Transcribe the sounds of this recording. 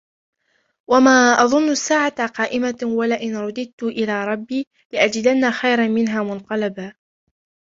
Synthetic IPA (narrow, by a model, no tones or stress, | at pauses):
wamaːʔɑðˤʊnːʊsːaːʕat̪aqɑːʔɪmawalaʔɪnɾˤʊd̪ɪd̪̚t̪ʊʔɪlaːɾˤɑbːiː | lɪʔad͡ʒɪd̪anːaxajɾˤɑnmɪnɦaːmʊnq̪ɑlabaː